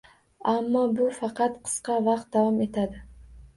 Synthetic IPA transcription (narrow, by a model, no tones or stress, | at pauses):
amːɒbʊfɑqʰɑt̪qʰɨ̥sqɑvɑq̚t̪̚d̪avɒme̞t̪ʰad̪ɪ